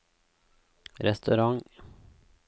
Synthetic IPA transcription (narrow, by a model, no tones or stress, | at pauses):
ɾɛst̪ʉɾɑŋ